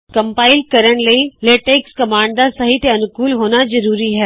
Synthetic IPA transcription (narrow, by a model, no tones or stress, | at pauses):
kɐ̃mpaːɪlkɐɾəɽ̃lɐileːʈeːkskɐmãːɳd̪asɐɦit̪eɐnʊkuːlɦoːnazɐɾuːɾiɦɛː